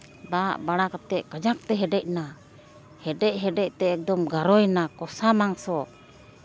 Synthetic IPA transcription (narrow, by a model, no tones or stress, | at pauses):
d̪aʔbaɽakat̪ɛʔkad͡ʒak̚t̪ɛɦɛɖɛc̚na | hɛɖɛʔ̚ˀɦɛɖɛc̚t̪ɛɛk̚d̪ɔmɡaɾɔjnakɔsamaŋsɔ